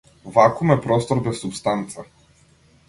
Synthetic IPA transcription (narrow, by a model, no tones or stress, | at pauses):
vakumɛpɾɔst̪ɔɾbɛsːupst̪ant̪sa